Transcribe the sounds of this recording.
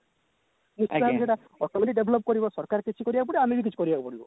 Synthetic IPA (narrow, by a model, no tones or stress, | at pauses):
nisuabiseʈa | ɔʈɔmeʈiɖebʱlɔp̚kɔɾibɔsɔɾkaɾkit͡ʃʰikɔɾibakp̬ɔɽiamibik̬it͡ʃʰi̥kɔɾibakupɔɽibɔ̰